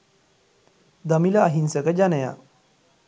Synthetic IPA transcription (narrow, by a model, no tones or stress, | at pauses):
d̪əmiləaɦinsəkəd͡ʑanəja̰